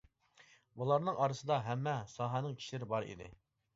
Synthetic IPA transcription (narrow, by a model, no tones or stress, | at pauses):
bulˠɑɾnɨŋʔɑɾəsɨd̪ɑɦɛmːɛsɑɦænɨŋkʲʰi̥ʃlɪɾɪbɑɾḭd̪ɪ̰